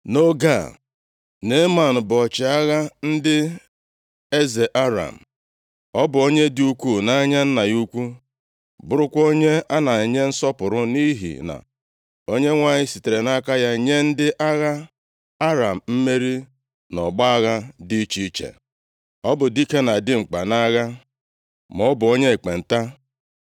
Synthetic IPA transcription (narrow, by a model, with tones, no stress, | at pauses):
no˦ɡa˦˨ | ne˦ma˨n̩˨bɔ˨t͡ʃɪ˨a˦ɣa˦n̩˦dɪ˦ | e˦ze˨ʔa˦ɾa̰˨m̩˨ | ɔ˦bʊ˨o˦ɲe˦dɪ˦u˦kʷu˦na˦ɲa˦n̩˦na˨ju˦kʷu˦ | bʊ˦ɾʊ˦kʷo˦ɲe˦a˦na˨ɲe˦n̩˦sɔ˦pʊ˨ɾʊ˦ni˦ɦḭ˨na̰˨ | o˦ɲe˦ŋʷa˨ɲɪ˦si˨te˨ɾe˨na˦ka˦ja˦ɲe˦n̩˦dɪ˦ʔa˦ɣa˦ | a˦ɾa˨m̩˨m̩˦me˦ɾi˦ | nɔ˨ɡ͡ba˦a˦ɣa˦di˦t͡ʃi˦t͡ʃḛ˨ | ɔ˦bʊ˨di˦ke˦na˨dɪ˦ŋ͡m̩˨k͡pa˨na˦ɣa˦ | mɔ˦bʊ˨o˦ɲe˦e˨k͡pe˨n̩˨ta˦